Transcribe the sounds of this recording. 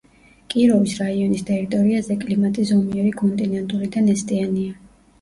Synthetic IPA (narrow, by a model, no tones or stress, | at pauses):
kʼiɾɔvisɾaiɔnist̪ʰʼɛɾit̪ʼɔɾiazɛkʼlimat̪ʼizɔmiɛɾikʰʼɔnt̪ʼinɛnt̪ʼulid̪anɛst̪ʼiania